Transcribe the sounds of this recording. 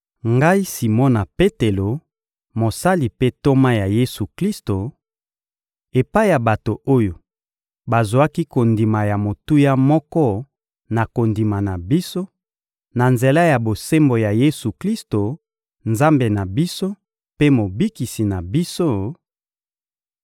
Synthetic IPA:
ŋɡa˦i˦si˨mɔ˦na˨pe˦te˨lo˨ | mo˨sa˦li˨pe˦to˦ma˦ja˨je˦su˨kli˦sto˨ | e˨pa˦i˦ja˨ba˨to˨o˦jo˨ | ba˨zo˨a˦ki˦ko˨ndi˨ma˨ja˨mo˨tu˦ja˦mɔ˦kɔ˦ | na˨ko˨ndi˨ma˨na˨bi˦so˦ | na˨nze˨la˦ja˨bo˨se˦mbo˨ja˨je˦su˨kli˦sto˨ | nza˦mbe˨na˨bi˦so˦ | pe˦mo˨bi˦ki˨si˨na˨bi˦so˦

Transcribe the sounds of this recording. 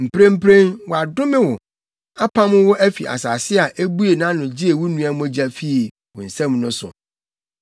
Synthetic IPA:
m̩˨pɾẽ˦m̩˦pʰɾẽ˦nwɔ˨a˨dʊ̃˦mɪ̃˦wʊ˨ | a˦pʰã˦mʊ̃˦wʊ˦ʔæ˦fḭ˨ʔa̰˨saː˨sɪ˦a˨ʔe˦bu˦e˨nã˦nʊ̃˨d͡ʑɪ˦e˨wʊ˦nũ˦a˦m˦d͡ʑæ˨fi˦˨ | wʊ˨n̩˨sɛ̃˦m̃˨nʊ̃˦sʊ̰˨

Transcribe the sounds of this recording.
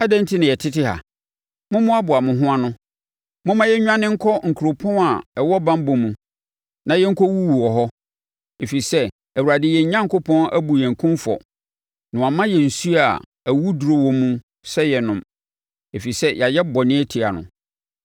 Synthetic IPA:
a˦dɛ̃˦n̩˦tʰi˦nɪ̃˨jɛ˨tʰɪ˦tɪ˦ɦa̰˨ | mʊ̃˦mʊ̃˦a˦bʊ˨a˨mʊ̃˨ɦʊ̃˦a˦nʊ̃˦ | mʊ̃˦mã˦jɛ˦ɲᶣ˦ã˦nɪ̃˦ŋ̩˦kʰɔ˦ŋ̩˨kʰu˨ɾo˨pʰɔ̃˦na˨ɛ˨wɔ˦bã˦m˦bõ˨mũ˨ | nã˨jɛ˦ŋ̩˦kʰɔ˦wu˦wu˨wɔ˨ɦɔ˦ | e˨fi˨sɛ˦ | æ˨wu˨ɾa˨dɪ˦jɛ˨ɲ˦ɲã˦ŋkʊ˦pʰɔ̃˦næ̰˦bu˨jɛ̃˨ŋ̩˨kʰʊ̃˦mfɔ̰˨ | nʊ̃˨a˨mã˦jɛ˨n̩˨su˦a˨ | æ˨wu˦du˨ɾo˦wɔ˦mũ˦ | sɛ˦jɛ˨nʊ̃˨m | e˨fi˨i˨sɛ˦jʔa˨jɛ˦bɔ˨nɪ̃˦ɛ˦tʰi˨a˨nʊ̰̃˨

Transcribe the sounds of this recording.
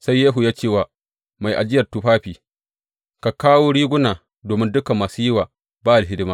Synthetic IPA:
sa˦jːeː˦ɦu˨jaː˦t͡ʃeː˦˨waː˨ | ma˨jʔa˨d͡ʒɪ˦jɐ˨rtu˦ɸaː˦ɸiː˨ | ka˨kaː˦woː˦ɽiː˦ɡʷʊ˦naː˨ | doː˨mɪ˦ndʊ˦kɐ˨mːaː˨su˦jɪ˦waː˨ | baː˦˨a˨ɦɪ˦dɪ˦maː˦

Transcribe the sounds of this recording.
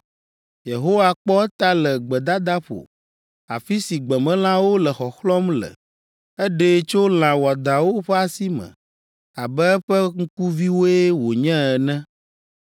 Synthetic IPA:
je˨ɦo˦wa˨k͡pɔ˦t̪a˦lɛ˨ɡ͡bɛ˨d̪a˦d̪a˦ɸo̰˨ | a̰˨fi˦si˨ɡ͡bɛ˨mɛ̃˦l̃ã˦wo˦lɛ˨xɔ˨xlɔ˦mlə̰˨ | ɛ˦ɖe˦t͡ʃo˦l̃ã˨wa˨d̪a˨wo˦ɸɛ˦a˨si˦mɛ̰̃˨ | a˨bɛ˦ɸɛ˦ŋ̩˦ku˦vi˦wo˦e˦wo˨ɲɛ̃˦ɛ˨nɛ̃˦

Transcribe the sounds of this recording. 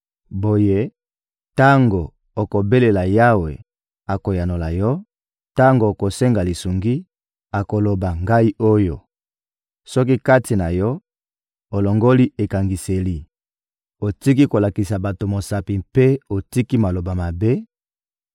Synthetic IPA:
bo˨je˦ | ta˦ŋɡo˨ | o˨ko˨be˦le˨la˨ja˦we˨ | a˨ko˨ja˨no˨la˨jɔ˦ | ta˦ŋɡo˨ko˨se˦ŋɡa˨li˨su˨ŋɡi˦ | a˨ko˨lo˨ba˨ŋɡa˦i˦o˦jo̰˨ | sɔ˦k̬i˦ka˦ti˨na˨jɔ˦ | o˨lo˨ŋɡo˦li˦e˨ka˨ŋɡi˨se˨li˨ | o˨ti˦ki˦ko˨la˨ki˨sa˨ba˨to˨mo˨sa˨pi˨mpe˦o˨ti˦ki˦ma˨lo˨ba˨ma˨be˦

